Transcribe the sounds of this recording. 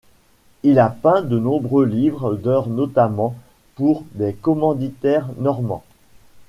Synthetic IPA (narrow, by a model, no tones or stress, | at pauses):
ilapɛ̃d̪ənɔ̃bʁølivʁd̪œʁnɔt̪amɑ̃ | puʁd̪ekɔmɑ̃d̪it̪ɛʁnɔʁmɑ̰̃